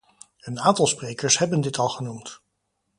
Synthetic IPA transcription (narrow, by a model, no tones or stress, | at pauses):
ənaːntɑlˠsprejkəɹsɦɛbəndɪtɑlˠχənumt